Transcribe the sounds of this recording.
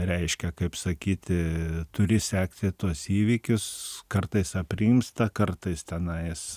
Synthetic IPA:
ɾʲɛɪʃʲkʲɛkɐɪpsɐkʲiːt̪ʲɪt̪ʊɾʲɪsʲæːkt̪ʲɪt̪uɔsiːʋʲiːkʲʊskɐrt̪ɐɪsɐpʲrʲimst̪ɐkɐrt̪ɐɪst̪ʲɛnɐɪs

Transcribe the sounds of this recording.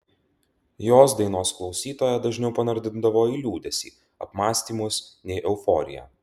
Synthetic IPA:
joːsd̪ɐɪnoːsklˠɒʊsʲiːt̪oːjɛd̪ɐʒʲnʲɛʊpɐnɐɾʲd̪ʲɪnd̪ɐʋoːiːlʲuːd̪ʲɛsʲḭː | ɐpmɑːsʲt̪ʲiːmʊsnʲɛɪʔɛʊfɔ̰ːɾʲɪ̰jɛ̰ː

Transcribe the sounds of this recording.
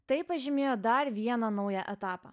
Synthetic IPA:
t̪ɐɪpɐʒʲɪmʲeːjoːd̪ɐɾʋʲiɛnɐnɒʊjæʔɛt̪ɑːpɐ̰

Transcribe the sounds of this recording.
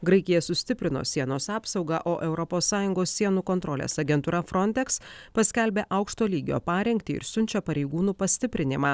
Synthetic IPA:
ɡɾɐɪkʲɪjɛsʊsʲt̪ʲɪpʲɾʲɪno̰ːsʲiɛnoːsɑːpsɒʊɡɑʔoːʔɛʊɾɔpoːsːɑːjʊŋɡoːsːʲiɛnuːkɔnt̪ɾɔlʲḛːsɐɡʲɛnt̪uːɾɐfɾɔnʲt̪ʲɛkspɐsʲkʲɛlʲbʲeːʔɐʊkʃt̪oːlʲiːɡʲo̰ːpɑːɾʲɛŋʲkʲt̪ʲiɪ̰ɾsʲʊnʲt͡ʃʲɛpɐɾʲɛɪɡuːnuːpɐsʲt̪ʲɪpʲɾʲɪnʲɪmɑː

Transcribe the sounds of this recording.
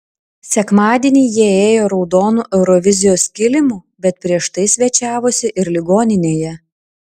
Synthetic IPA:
sʲɛkmɑːd̪ʲiɛnʲiːjiɛeːjoːɾɒʊd̪oːnuːʔɛʊɾɔʋʲɪzʲɪjoːskʲɪlʲɪmuːbʲɛt̪̚pʲɾʲiɛʃt̪ɐɪsʲʋʲɛt͡ʃʲæːʋoːsʲɪʔɪɾlʲɪɡoːnʲɪnʲeːjɛ

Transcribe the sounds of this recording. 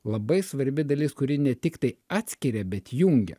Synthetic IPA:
lˠɐbɐɪsʋɐɾʲbʲɪd̪ɐlʲɪˑskʊɾʲɪnʲɛt̪ʲɪkt̪ɐɪɑːt̪ʲsʲkʲɪɾʲɛbʲɛt̪jʊŋʲɡʲɛ̰

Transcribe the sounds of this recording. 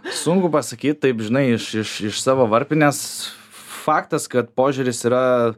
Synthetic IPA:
sʊŋkʊpɐsɐkʲiːt̪̚t̪ɐɪpʒʲɪnɐɪɪʃɪʃɪʃsɑːʋoːʋɐɾʲpʲɪnʲɛs | fɑːkt̪ɐskɐt̪poːʒʲʊɾʲɪsiːɾɐ

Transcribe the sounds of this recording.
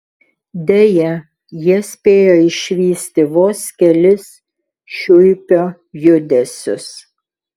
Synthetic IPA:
d̪ʲɛjɛ | jiɛsʲpʲeːjoːɪʃʲʋʲiːsʲt̪ʲɪʋoːsʲkʲɛlʲɪs | ʃʲʊjpʲoː | jʊd̪ʲɛsʲʊ̰s

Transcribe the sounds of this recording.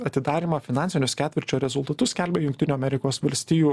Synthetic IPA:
ɐt̪ʲɪd̪ɑːɾʲiːmɐfʲɪnɑnʲsʲɪnʲʊskʲæːt̪ʲʋʲɪɾʲt͡ʃʲoːɾʲɛzʊlˠt̪ɐt̪ʊssʲkʲɛlʲbʲɛjʊŋkt̪ʲɪnʲuːɐmʲɛɾʲɪkoːsʋɐlʲsʲt̪ʲiːjuː

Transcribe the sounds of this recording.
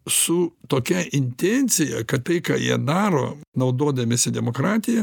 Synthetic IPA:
sʊt̪oːkʲɛʔɪnʲt̪ʲɛnʲt̪sʲɪjɛ̰kɐtt̪ɐɪkɑ̰ːjḭɛd̪ɑːɾo̰ːnɐʊd̪oːd̪ɐmʲesʲɪd̪ʲɛmoːkɾɑːt̪ʲɪjɛ

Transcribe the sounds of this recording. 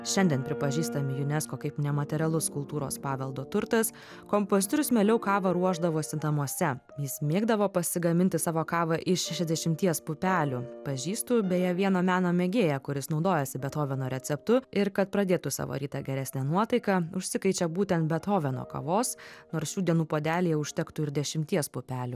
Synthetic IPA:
ʃʲɛnd̪ʲɛnpʲɾʲɪpɐʒʲiːst̪ɐmʲɪjʊnʲɛskoːkɐɪpnʲɛmɐt̪ʲɛɾʲɛlˠʊskʊlˠt̪uːɾo̰ːspɑːʋʲɛlˠd̪oːt̪ʊɾt̪ɐs | kompoːzʲɪt̪oɾʲʊsmʲɛːlʲɛʊkɑːʋɐɾuɔʒd̪ɐʋoːsʲɪnt̪ɐmuɔsʲɛ | jɪsmʲeːɡd̪ɐʋoːpɐsʲɪɡɐmʲɪnʲt̪ʲɪsɑːʋoːkɑːʋɐʔɪʃʲɛʃʲɛzd̪ʲɛʃʲɪmʲt̪ʲiɛspʊpʲæːlʲʊpɐʒʲiːst̪ʊbʲɛjɛʋʲiɛnoːmʲæːnoːmʲeːɡʲeːjɛkʊɾʲɪsnɒʊd̪oːjɛsʲɪbʲɛt̪oːʋʲɛnoːɾʲɛt̪sʲɛpt̪ʊɪɾkɐt̪̚pɾɐd̪ʲeːt̪ʊsɑ̰ːʋo̰ɾʲiːt̪ɐɡʲɛɾʲæsʲnʲænuɔt̪ɐɪkɐʊʃʲsʲɪkɐɪt͡ʃʲɛbuːt̪ʲɛnt̪̚bʲɛt̪oːʋʲɛno̰ːkɐ̰ʋoːsnoːɾsʃʲuːd̪ʲiɛnuːpoːd̪ʲæːlʲijɛʊʃʲt̪ʲɛkt̪ʊɪɾd̪ʲɛʃʲɪmʲt̪ʲiɛspʊpʲæːlʲʊ

